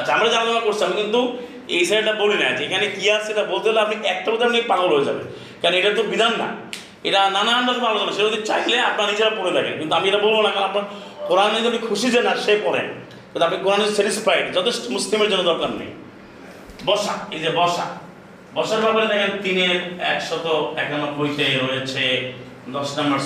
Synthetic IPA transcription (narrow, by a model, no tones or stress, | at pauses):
at͡ɕʰeamɾad͡ʑananɔkakoɾt͡ɕʰiamikint̪u | eɦisabʈabolina̰d͡ʑeekʰanekiaseeʈabolt̪eeleapniʔɛk̚ʈapod̪iapniepaɦolɦoed͡ʒa̰bḛ | kɛnoeʈaɾt̪̬obid̪ʱanːa̰ | ḛʈananaɳɖɔzpalod͡ʑɔnaʃeaod̪it͡ɕaileapnaɾnid͡ʑeɾapoɾed̪akʰḛnkint̪uamieʈabolbonakapna | koɾanet̪̬apnikʰuʃid͡ʑenaʃepɔɾḛn | kĩnuapnikoɾaned͡ʑeseʈispʰajɖd͡ʒɔt̪esʈomuslimeɾd͡ʑonːod̪ɔɾkanːḛj | bɔʃa̰ejd͡ʑebɔʃa̰ | bɔʃaɾbabaɾet̪ɛkʰent̪ineɾɛkʃɔt̪oɛk̚danakojt̪eɾoet͡ɕʰe | d̪ɔsɖambaɾ